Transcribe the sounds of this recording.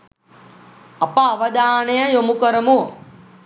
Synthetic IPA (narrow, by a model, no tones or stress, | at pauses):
ɐpaːʋɐd̪aːɳejɐjomukɐɾɐmu